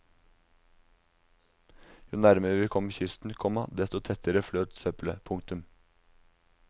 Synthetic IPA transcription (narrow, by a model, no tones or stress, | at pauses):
juːnæɾməɾəʋiːkʰɔmçʏst̪n̩kʰɔmɑd̪ɛst̪ɔt̪ʰɛt̪əɾəfløːt̪sœpləpʰʊŋt̪ʉm